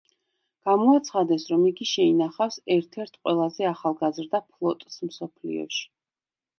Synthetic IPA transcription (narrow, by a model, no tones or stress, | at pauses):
ɡ̥amɔat̪sʰχad̪ɛsɾɔmiɡiʃɛinaχafsɛɾt̪ʰɛɾt̪ʰqʼwɛlˠazɛaχalˠɡazɾd̪apʰlˠɔt̪ʼsmsɔpʰlḭɔ̰ʃi̥